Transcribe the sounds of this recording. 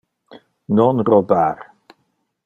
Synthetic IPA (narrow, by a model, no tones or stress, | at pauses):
nɔnrobaːr